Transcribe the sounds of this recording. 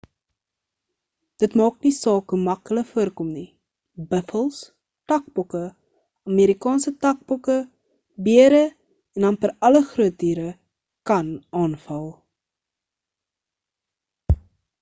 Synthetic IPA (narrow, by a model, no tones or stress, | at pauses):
d̥ətmɑːk̚nisɑːkəmɐkələkfuərkɔmni | bəfəlˠs | tɐk̚bɔkə | ɑmeːɾikɑːnsətɐk̚bɔkə | biəɾə | ɛndɐnfəɾɐləχruət̚diːɾə | kɐnɑːnfɐlˠ